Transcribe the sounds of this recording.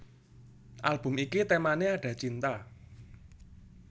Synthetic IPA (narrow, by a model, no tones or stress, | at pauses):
ʔalb̥ʊ̤mikit̪emaneaɖ̥ä̤t͡ʃint̪a